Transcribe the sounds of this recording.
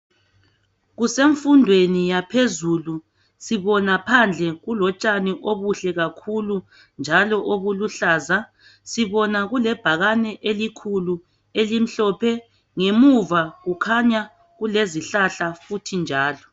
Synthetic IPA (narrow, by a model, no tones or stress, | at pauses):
ɣuseɱfundʱwenijapʰezulu | siβɔnapʰand͡ɮʱɛɣulɔt͡ʃʼaniʔoβuɬɛɣakʰulu | nd͡ʒʱalɔʔoβuluɬaːza | siβɔnaɣulɛb̥ʱaɣanɛʔelikʰulu | elim̩ɬɔpʰɛ | ŋemuvaɣukʰaɲa | ɣuleziɬaɬafutʰind͡ʒʱaːlɔ